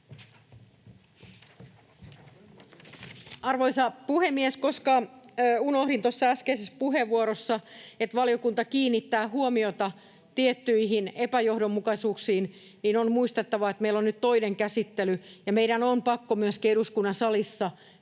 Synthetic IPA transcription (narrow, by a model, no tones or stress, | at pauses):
ɑrʋoisɑpuhemːieskoskɑunohɾint̪osːɑæskeisespuɦeʋːuoɾosːɑet̪ʋɑlijo̞kunt̪ɑkiːnːit̪ːæːɦuomiot̪ɑ | t̪iet̪ːyiɦinepæjo̞hdomːukɑsuːksiːn | niːnonmuist̪et̪ːɑʋɑet̪meilːonnyt̪t̪o̞ineŋkæsit̪ːelyjɑmeiɾænompɑkːomyøskeɾuskunːɑnsɑlisːɑ